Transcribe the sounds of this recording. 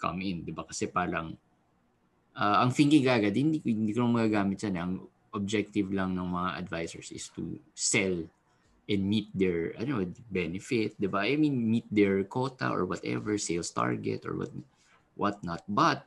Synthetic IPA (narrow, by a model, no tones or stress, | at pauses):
kʰɐ̰mɪnd̪ɪbakɐsɛpaːɾɐŋ | ʔaːʔɐŋfɪŋkɪŋɡaːɡad̪hɪnd̪ikhɪnd̪iːkonɐŋmɐɡaːɡaːmɪt̪̚d͡ʒ̥anɛʔɐŋ | ʔob̚d͡ʒɛk̚t̪ɪvlɐŋnɐŋmɐŋaʔɐ̰d̪vajsɛ̰ɹsɪ̰st̪ṵsɛl | ʔɛnd̪mit̪̚d̪ɛɹɐ̰noʔbɛnɛfɪt̪̚d̪ɪbaʔjmĩnmit̪̚d̪ɛɹkoːt̪ɐ̰ʔɔ̰ɹwɐt̪ɛ̰vɛɹsejlst̪a̰ɹɡɛ̰t̪ɔ̰ɹwɐ̰t̪̚ | wɐ̰t̪̚nɐt̪̚bɐt̪̚